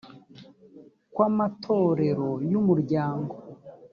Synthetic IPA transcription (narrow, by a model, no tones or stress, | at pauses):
kwamatʰo̞ɾe̞ɾo̞jumuɾɟaːŋɡo